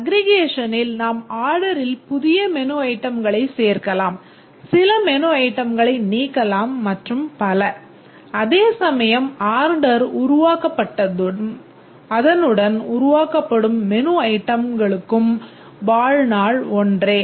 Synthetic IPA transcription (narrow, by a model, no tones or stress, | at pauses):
ɐɡɾɪɣeːʂɐnɪlnaːmaːɾɽɐɾɪlpʊðɪjɐmɛnoːɐɪʈːɐmɡɐɭɐɪseːɾkɐlaːm | sɪlɐmɛnoːɐɪʈːɐmɡɐɭɐɪniːkːɐlaːmːɐʈrɯmpɐlɐ | ɐðeːsɐmɐjɐmaːɾɖɐɾʊɾʊʋaːkɐpːɐʈːɐm | ɐðɐnɯɽɐnʊɾʊʋaːkɐpːɐɽɯmːɛnoːɐɪʈːɐmɡɐɭɯkːɯm | baːɻnaːɭɔndreː